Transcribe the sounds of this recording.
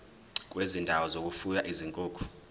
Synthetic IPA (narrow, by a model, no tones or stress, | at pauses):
k̬ʼwezindʱawɔzok̬ʼufujaʔiziŋkʼoːkʰu̥